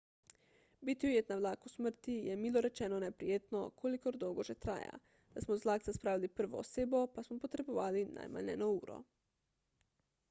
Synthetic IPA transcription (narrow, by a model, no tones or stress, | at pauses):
bit̪iujeːt̪naʋlaːkusməɾt̪ijɛmiːloɾɛt͡ʃɛːnɔnɛpɾijeːt̪no̰kʰolikoɾd̪owɡoʒɛt̪ɾa̰ːja̰ | d̪̥asmɔzlaːkzaspɾaːʋilipɾ̩ʋo̰ːseːbopasmɔpot̪ɾeboʋaːlinʔa̰jma̰nnɛ̰nouːɾɔ̰